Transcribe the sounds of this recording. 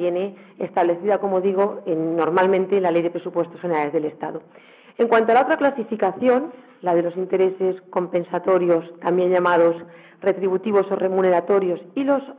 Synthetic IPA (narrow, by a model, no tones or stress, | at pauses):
jeneest̪aβle̞θiðako̞mo̞ðiɣ̞o̞enːo̞ɾmalmẽ̞nt̪enlale̞jðe̞pɾe̞supwe̞st̪o̞sxeneɾale̞zðe̞le̞st̪a̰ðo | e̞ŋkwant̪oalao̞t̪ɾaklasifikaθjo̞n | lað̞e̞lo̞sint̪e̞ɾe̞se̞sko̞mpe̞nsat̪o̞ɾjo̞st̪ambje̞ɲʎamað̞os | re̞t̪ɾiβut̪iβ̞o̞so̞re̞mune̞ɾat̪o̞ɾjo̞silo̞s